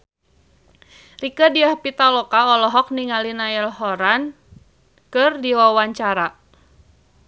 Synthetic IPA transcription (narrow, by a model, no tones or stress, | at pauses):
rikədiahpit̪alɔkaɔlɔɦɔk̚niŋalinaɛlhɔɾan | kɨrdiwawaɲt͡ʃaɾa